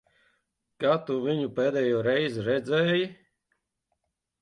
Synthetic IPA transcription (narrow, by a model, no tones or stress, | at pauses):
kaːt̪uvʲiɲupeːd̪ɛːjoːɾɛjziɾɛd̪zɛːji